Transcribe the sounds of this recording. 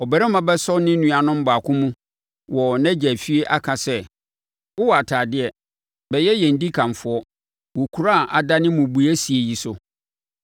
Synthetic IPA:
ɔ˨bɛ˨ɾɛ˦mã˨bɛ˦sɔ˦nɪ̃˦nũ˨a˨nʊ̃˦m̩˦ba˨kʰʊ̃˦mũ˦ | wɔ˨næ̃˦d͡ʑæ˨fi˦e˦ʔa˦kʰa˨sɛ˦ | ʊ˦wa˨tʰaː˨dɪ˦ɛ˨ | bɛ˨jɛ˦jɛ̃˨n̩˨di˦kʰã˨ɱfʊ˨˦ɔ˦ | wɔ˨kʰu˦ɾa˦˨ʔa˨da˦nɪ̃˦mʊ̃˨bu˨æ˦si˨e˨ji˨sʊ˨

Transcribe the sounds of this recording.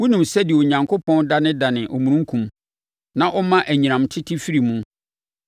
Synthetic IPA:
wu˦nũ˨msɛ˦dɪ˨o˨ɲã˨ŋkʰo˦pʰɔ̃˦nda˦nɪ̃˦da˨nɪ̃˨ʔɔ˨mũ˨ɾũ˦ŋ˦kʰũ˨m | nã˦ʔɔ˦mã˦ʔæ˨ɲĩ˨nã˨mtʰɪ˦tʰɪ˦fi˦ɾi˨mũ˦

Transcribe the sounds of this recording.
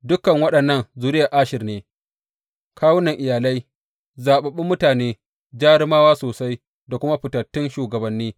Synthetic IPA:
dʊ˦kɐ˨ŋwɐ˦ɗɐ˨nːɐ˦nzu˨ɾɪ˦ja˨ʔaː˦ʃɪ˨rneː˦ | kaː˦wʊ˦nɐ˨ŋʔɪ˨jaː˨la˦j | zaː˨ɓɐ˨ɓɪ˦mːʊ˦taː˨neː˦ | d͡ʒaː˦ɽɪ˦maː˦waː˦soː˨sa˦j | da˨kʷʊ˦ma˦ɸɪ˨tɐ˨tːɪ˦nʃuː˨ɡɐ˨bɐ˨nːiː˦

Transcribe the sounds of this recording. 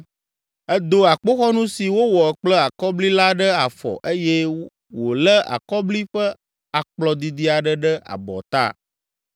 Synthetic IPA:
ɛ˦d̪o˦a˨k͡po˦xɔ˦nũ˦si˨wo˦wɔ˨ɛ˨k͡plə˦a˨kɔ˦bli˦la˦ɖə˦a˨fɔ̰˨ʔe˦jɛ˦ | wo˨lə˦ʔa̰˨kɔ˦bli˦ɸə˦ | a˨k͡plɔ˦d̪i˨d̪i˦a˨ɖə˦ɖə˦a̰˨bɔ̰˨t̪a̰˦

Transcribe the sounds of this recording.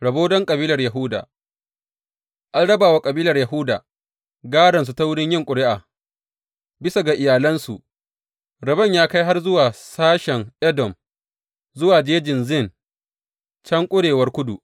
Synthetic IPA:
ɽɐ˨boː˦dɔ˦ŋkʼɐ˨biː˦lɐ˨rjɐ˨ɦʊ˦da̰ː˨ | ʔa˦lɽɐ˦baː˨wa˦kʼɐ˨biː˦lɐ˨rjɐ˨ɦʊ˦daː˨ | ɡaː˦ɽɐ˨ns̬u˨ta˦wʊ˦ɽɪ˦ɲjɪ˦ŋkʷʼʊ˨ɽɪ˦ʔaː˨ | bɪ˦sa˨ɡa˨ʔɪ˨jaː˨lɐ˦nsu˨ʔ | ɾɐ˨bɐ˦˨ɲjaː˦ka˦jɦa˦rzʊ˦waː˨saː˦ʃɛ˨ŋʔɛ˦dɔ˨m | zʊ˦waː˨d͡ʒeː˦d͡ʒɪ˨nzɪ˦˨n | t͡ʃɐ˦ŋkʷʼʊ˦ɽeː˨wɐ˦rkʷʊ˦dṵ˨

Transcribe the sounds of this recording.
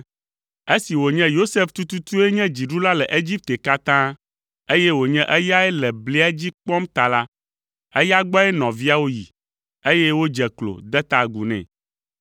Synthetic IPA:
e˦si˨wo˨ɲɛ̃˦jo˦se˦ft̪u˦t̪u˦t̪u˦e˦ɲɛ̃˦d͡ʑi˨ɖu˦la˦lɛ˨ʔe˦d͡ʑi˦p̚t̪e˨ka˦t̪ã˦ | e˦je˦wo˨ɲɛ̃˦ʔɛ˦ja˦ɛ˦lɛ˨ble˦a˦d͡ʑi˦k͡pɔ˦mt̪a˨la˦ | ɛ˦ja˦ɡ͡bɔ˦ɛ˦nɔ̃˨vi˦a˦wo˦jḭ˨ | e˦je˦wo˦d͡ʒɛ˨klo̰˨d̪ɛ˦t̪a˨ɡu˨nɛ̰̃˨

